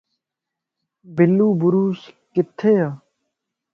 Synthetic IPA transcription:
bɪlːuːbʊɾuːskɪt̪ʰːeːaː

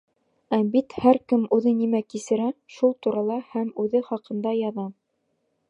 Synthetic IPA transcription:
æbit̪hæɾkɘmʉðɘnimækisɘ̆ɾæʃulˠt̪uɾɑlˠɑhæmʉðɘχɑqɤ̆nd̪ɑjɑðɑ

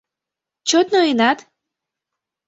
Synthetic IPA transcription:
t͡ɕot̪nojənɑt̪

